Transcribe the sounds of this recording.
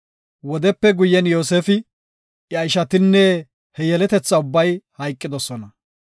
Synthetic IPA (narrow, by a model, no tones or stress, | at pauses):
wɔd̪ɛpːɛɡʊjːɛnjo̞ːseːfɪ | jɐjɪʃɐt̪ɪnːɛ | hɛjɛlɛt̪ɛt͡sːɐʊbːɐjhɐjkʼːɪd̪ɔsɔnɐ